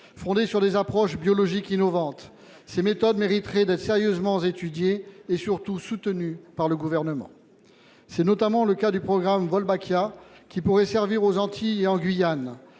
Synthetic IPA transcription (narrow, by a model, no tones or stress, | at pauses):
fɔ̃d̪esyʁd̪ezapχɔʃbjɔlɔʒikinɔvɑ̃t̪ | semet̪ɔd̪meʁit̪χɛd̪ɛt̪χseʁjøzmɑ̃zet̪yd̪jeːsyʁt̪usut̪nypaʁləɡuvɛʁnəmɑ̰̃ | sɛnɔt̪amɑ̃ləkad̪ypχɔɡʁamvɔlbakjakʲipuʁɛsɛʁviʁozɑ̃t̪ʰieɑ̃ɡɥijan